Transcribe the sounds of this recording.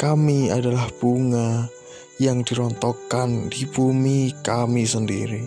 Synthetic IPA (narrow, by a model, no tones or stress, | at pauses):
kamiadalahb̥uŋa | jaŋd̥i̤ɾɔnt̪ɔkand̥ibumikamisəndḭɾi